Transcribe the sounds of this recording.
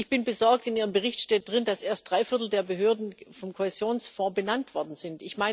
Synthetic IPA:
ɪçb̥ɪnbəzɔɐk̚tɪnʔiːʁəmbəʁɪçtʃtɛːt̚d̥ʁɪnd̥asʔeːɐstd̥ʁaɪfɪɐt̬l̩deːɐbəɦøːɐdn̩fɔmkʰohezjoːnsfɔ̃ːbənantv̥ɔɐdn̩z̥ɪntɪçmaɪ

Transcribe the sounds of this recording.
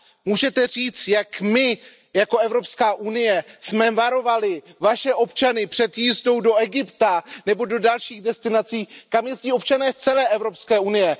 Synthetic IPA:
muːʒɛt̪ɛr̝iːt͡st̪jakmɪ | jako̞ɛvɾo̞pskaːʔunɪjɛsmɛvaɾo̞valɪvaʃɛʔo̞pt͡ʃanɪpr̥ɛt̪jizdo̞wdo̞ɛɡɪpt̪anɛbo̞do̞dalʃiːɣdɛst̪ɪnat͡siːkamjɛzɟiːo̞pt͡ʃanɛːst͡sɛlɛːʔɛvɾo̞pskɛːʔunɪjɛ

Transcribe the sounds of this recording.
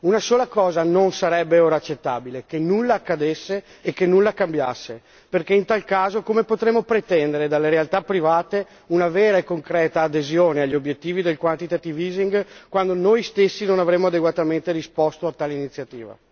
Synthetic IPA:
unasoːlakɔːzanonsaɾɛbːeoɾat͡ʃːet̪ːa̰ːbilekenulːakːad̪esːeːkːenːulːakambja̰sːe | perkeint̪alkaːzokomepot̪ɾemːopɾet̪ɛnd̪eɾed̪alːeɾealt̪apːɾivaːt̪e | unavɛːɾaekːoŋkɾɛːt̪aːd̪ezjoːneaʎːiobjet̪ːiːvid̪elkwant̪it̪at̪iviziŋɡkwand̪onojst̪esːinonavɾemːoad̪eɡwat̪ament̪eɾispɔst̪oat̪ːaːleinit̪sːjat̪ḭːva̰

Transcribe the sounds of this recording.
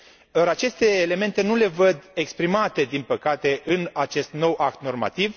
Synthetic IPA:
aɾat͡ʃe̞st̪e̞ːle̞me̞nt̪e̞nule̞vəd̪ekspɾimat̪e̞d̪inpəkat̪e̞ʔɨnat͡ʃe̞st̪no̞wʔak̚t̪no̞rma̰t̪iv

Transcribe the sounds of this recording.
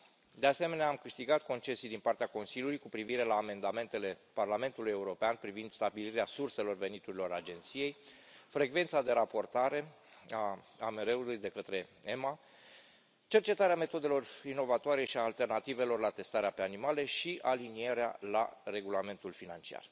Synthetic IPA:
d̪e̞ase̞me̞neaːmkɨʃt̪iɡat̪̚ko̞nt͡ʃe̞sijd̪inpart̪eako̞nsilʲjulujkupɾiviɾe̞laːme̞nd̪ame̞nt̪e̞le̞parlame̞nt̪uluje̞uɾo̞peanpɾivind̪̥st̪abiliɾeasurse̞lo̞rve̞nit̪uɾilo̞ɾad͡ʒe̞nt̪sije̞j | fɾe̞ɡve̞nt̪sad̪e̞ɾapo̞rt̪aɾe̞ | a | ame̞ɾe̞ulujd̪e̞kət̪ɾe̞ema | t͡ʃe̞rt͡ʃe̞t̪aɾeame̞t̪o̞d̪e̞lo̞rino̞vat̪oaɾe̞ʃiaːlt̪e̞rnat̪ive̞lo̞rlat̪e̞st̪aɾeape̞animale̞ʃiʔalinieɾea̰la̰re̞ɡulame̞nt̪ulfinant͡ʃia̰r

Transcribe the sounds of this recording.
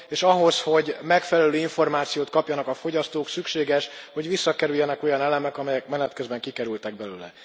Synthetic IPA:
eːʃɒɦo̞sho̞ɟmɛkfɛlɛløːiɱfo̞rmaːt̪sijoːt̪̚kɒpjɒnɒkɒfo̞ɟɒst̪oːksykʃeːɡɛʃho̞ɟʋisːɒkɛɾyjːɛnɛko̞jɒnɛlɛmɛkɒmɛjɛkmɛnɛt̪køzbɛŋkikɛɾylt̪ɛɡ̚bɛlø̰ːlɛ̰

